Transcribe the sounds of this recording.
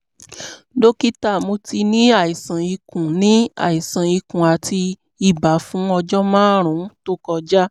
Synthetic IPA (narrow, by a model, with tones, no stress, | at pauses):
do˦ki˦ta˦˨mo˧ti˧nĩ˦a˦˨i˨sã˨i˧kũ˨nĩ˨˦a̰˦˨i˨sã˨i˧kũ˨a˨ti˧ | i˦˨ba˨˦fũ˨˦ɔ˧d͡ʒɔ˦mãː˦ɾ̃ũ˨˦to˦kɔ˧d͡ʒa˦